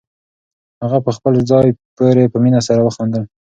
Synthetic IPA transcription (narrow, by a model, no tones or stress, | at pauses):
haɣapəxpəlzɑjpoɾepəminasaɾawəxond̪əl